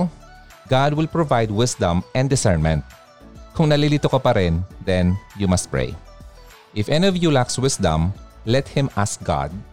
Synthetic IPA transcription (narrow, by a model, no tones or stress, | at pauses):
ɡad̪̚wɪlpɹovajd̪̚wɪsd̪ɐ̃mʔɛ̃nd̪ɪsɛɹnmɛ̃nt̪̚ | kʊŋnɐlilit̪okɐpɐɾɪnd̪ɛ̃njumɐst̪̚pɹḛj | ʔɪfɛniɔvjulakswɪsd̪ɐ̰̃mlɛt̪̚hɪ̃mʔask̚ɡ̥a̰d̪̚